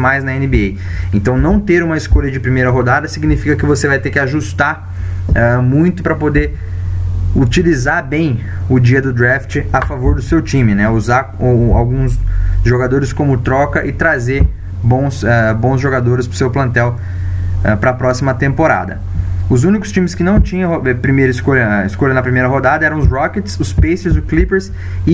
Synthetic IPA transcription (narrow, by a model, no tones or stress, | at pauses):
majznɐẽnɪbee | ẽnt̪ɐ̃w̃nɐ̃w̃t̪eɾũmɐɪskoʎɐd͡ʒɪpɾimejɾɐɦod̪ad̪ɐsiɡnifikɐkɪvosevajt̪eɾkɪaʒust̪aɾ | ɛmũj̃t̪ʊpɾɐpod̪eɾ | ut͡ʃilizaɾbẽj̃ʊd͡ʒiɐd̪ʊd̪ɾɛft͡ʃɪafavoɾd̪ʊsewt͡ʃĩmɪnɛuzaɾ | awɡũsʒoɡad̪oɾɪskõmʊt̪ɾɔkɐʔɪt̪ɾaze | bõw̃sɛbõw̃zʒoɡad̪oɾɪspɾʊsewplɐ̃nt̪ɛw | ɛpɾɐapɾɔsimɐt̪ẽmpoɾa̰d̪ɐ̰ | ʊzũnikʊ̥st͡ʃĩmɪskɪnɐ̃w̃t͡ʃĩɲɐ̃oɛpɾimejɾɐɪskoʎɐiskoʎɐnɐpɾimejɾɐɦod̪ad̪ɐɛɾɐ̃w̃ʊzɾɔket͡ʃɪ̥sʊspejsɪzʊklipeɾs | ɪ